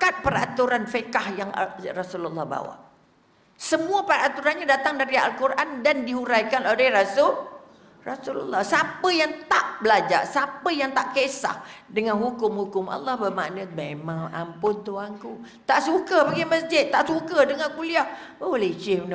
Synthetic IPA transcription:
kat̪̚pəɾat̪uɾanfəkahjaŋrasululːɑhba̰wa̰ʔ | səmuapəɾat̪uɾanɲadat̪aŋdaɾia̰lkuɾʔandandiɦuɾajkanolɛhrasʊl | rasulṵlːɑhsapəjaŋt̪aʔbəlad͡ʒa̰sapəjaŋt̪aʔkesa̰hdəŋanɦukʊmhukʊmʔa̰lːɑhbəma̰ʔnəmemaŋa̰mpʊnt̪uaŋku | t̪aʔsukəbaɡiməsd͡ʒɪt̪̚ːaʔsukədəŋankuliah | olet͡ʃɪn

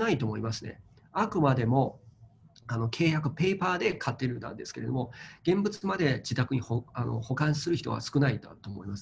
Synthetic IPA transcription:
nait̪o̞ːmo̞imasɨne̞̰ | akɯ̟mad̪e̞mo̞ | ano̞kʰe̞ːjakɯ̟pe̞ːpaːd̪e̞kʰat̪ːe̞ɾɯ̟d̪ã̰nd̪e̞sɨ̥ke̞ɾe̞d̪omo̞ɡ̥ẽ̞mbɯ̟t͡sɨmad̪e̞d͡ʑit̪akɯ̟ɲ̟ihoano̞̰ho̞kãɰ̃sɨɾɯ̟çi̥t̪o̞̰βa̰sɨ̥kɯ̟naid̪a̰t̪oːmo̰imasɨ̥

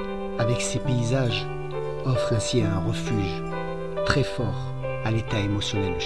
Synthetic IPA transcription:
avɛksepeizaʒ | ɔfχɛ̃siɛ̃ʁəfyʒ | t̪χɛfɔːʁ | alet̪aemɔsjɔnɛld̪ə

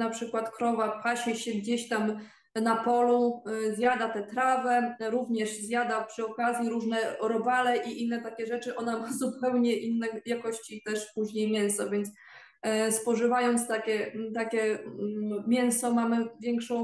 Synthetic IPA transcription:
napʂɘkwat̪kɾɔvapaɕɛɕɛɡd͡ʑeɕt̪am | napɔluzʲjad̪at̪ɛt̪ɾavɛɾuvɲɛʐzʲjad̪apʂɘɔkazʲjiɾuʐnɛɾɔbalɛʔiʔinːɛt̪akʲɛʐɛt͡ʂɘʔɔnamazupɛwɲɛʔinːɛjakɔɕt͡ɕit̪ɛʂpuʑɲejmʲjɛñsɔvʲjɛnt̪s | spɔʐɘvajɔnt̪st̪akʲɛt̪akʲɛ | mʲjɛw̃sɔmamɘvʲjɛŋkʂɔ̃w̃

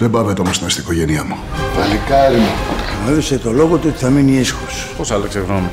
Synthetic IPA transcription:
ðebɐvet̪eomost̪inɐst̪iniko̞ʝeniɐmutɐlikɐɾimɐmeðiset̪o̞loɣot̪uot̪i̥θɐminiisxosposɐlɐkseɣnoni

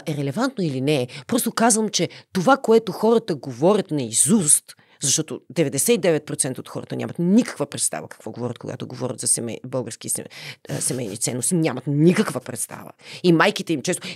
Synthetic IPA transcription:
ʔɛɾɛlɛvant̪noilinɛpɾɔst̪okazvəmt͡ʃɛt̪ovakoɛt̪oxɔɾət̪əɡovɔɾʲət̪nɛizust̪ | zɐʃt̪ɔt̪od̪ɛvɛd̪ɛsɛid̪ɛvɛt̪̚pɾot̪sɛnt̪əot̪xɔ̰ɾə̰t̪ənʲa̰mət̪nʲikə̥kvəpɾɛt̪st̪a̰vəkɐ̥kvɔɡovɔɾət̪̚koɡa̰t̪oɡovɔ̰ɾʲə̰t̪zɐsɛmɛbɤlˠɡəɾsk̟iɛsɛmɛjnʲḭt̪sɛnːost̪inʲamət̪nʲikəkvəpɾɛt̪st̪a̰və̰imajkit̪ɛimt͡ʃɛst̪o

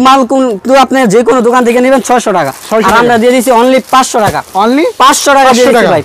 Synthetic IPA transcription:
malkut̪uapneɾd͡ʑekonod̪okant̪ʰekenibent͡ɕʰɔeʃoʈaka̰ɔɾamɾad̪ied̪it͡ɕʰiɔnlipãsʃoʈaka̰ɔnlipãsʃoʈakd̪ieiibaj

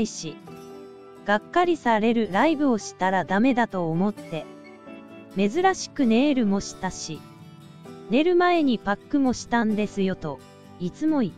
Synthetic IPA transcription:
iɕi | ɡ̥akːaɾʲisaɾe̞ɾɯ̟ɾaibɯ̟o̞ɕi̥t̪aɾad̪ame̞d̪at̪o̞ːmo̞t̪ːe̞ | me̞zɨɾaɕi̥kɯ̟ne̞ːɾɯ̟mo̞ɕi̥t̪aɕi | ne̞ɾɯ̟mae̞ɲ̟ipakːɯ̟mo̞ɕi̥t̪ãnd̪e̞sɨjo̞t̪o̞ | it͡sɨmo̞i

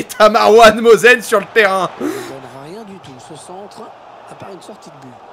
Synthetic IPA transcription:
t̪ʰamaʁwanmozɛnsyʁlət̪eʁɛ̃ɔ̃nʁaʁjɛ̃d̪yt̪usəsɑ̃t̪χ | apaʁynsɔʁt̪id̪əbø

